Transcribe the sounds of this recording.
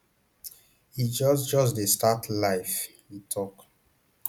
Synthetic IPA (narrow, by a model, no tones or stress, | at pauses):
id͡ʒɔsd͡ʒɔs̬destatʰlaɪf | ĩtʰɔk